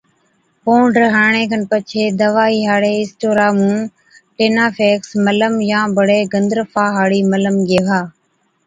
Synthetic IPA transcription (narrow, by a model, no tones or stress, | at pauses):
poːɳɖɾəɦaːɳẽːkənpət͡ʃʰeːd̪əʋaːiːɦaːɽeːɪsʈoːɾaːmũː | ʈeːnaːfeːksmələmjãːbəɽeːɡənd̪ɾəfaːɦaːɽiːmələmɡeːʋaː